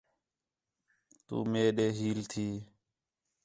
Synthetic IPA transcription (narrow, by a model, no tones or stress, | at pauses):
t̪ṵːmeːɗeːɦiːlt̪ʰiː